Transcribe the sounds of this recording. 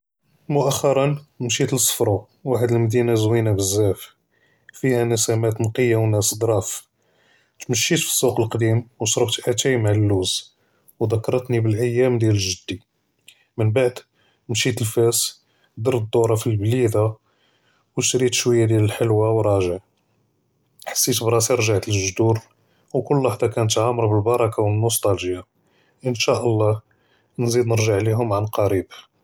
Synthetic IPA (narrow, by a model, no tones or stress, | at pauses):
mʊʔæxːɑɾˤɑnmʃit̪əlsˤːfɾˤu | waħəd̪əlmd̪inazwinabəzːæf | fihænəsæmæt̪nqəjːawnæsd̪ɾˤɑf | t̪məʃːit̪fi̥sˤːuqəlqd̪imwʃɾˤəft̪ʔat̪æjmaʕlːuz | wd̪ɑkːɑɾˤɑt̪nibəlʕəjːæmd̪jæləʒəd̪ːi | mənbaʕd̪ | mʃit̪əlfæs | d̪iɾd̪ˤːoɾˤɑfilblid̪a | wʃɾit̪ʃwəjːad̪jæləlħəlwawɾˤɑʒəʕ | ħḁsːit̪bɾˤɑsiɾˤʒaʕt̪əlʒd̪uɾ | wkʊlːwaħd̪ˤɑkænət̪ʕamːəɾˤbəlbɑɾˤɑkawənːost̪ɑlʒja | ʔənʃæʔəlˤːɑ | nzid̪nəɾʒəʕliɦʊmʕanlqɑɾib